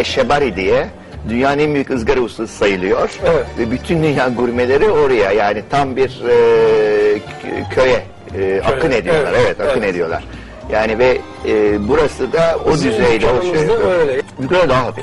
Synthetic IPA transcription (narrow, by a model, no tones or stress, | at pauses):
ɛʃebaɾid̪ijɛ | d̪ynjaːnɯnɛnbyjycɯzɡaɾɯusɯ̥sajɯlˠɯjo̞ɾ̥ɛvɛbyt̪ʰynd̪ynjaːɡyɾme̞lʲe̞ɾio̞ɾajajaːnit̪ʰambiɾ | cʰø̞jɛ | a̰kʰːɯne̞d̪ijolˠaɾevɛt̪ʰakːɯne̞d̪ijo̞lˠa̰ɾ̥ | jaːnivɛː | buɾasɯd̪aod̪yzejd̪ɛbojbyejɛd̪aɦaɦapi